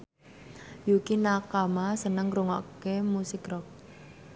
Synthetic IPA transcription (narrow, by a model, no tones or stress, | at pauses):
jukinakamasənəŋɾuŋɔʔkemusikrɔk̚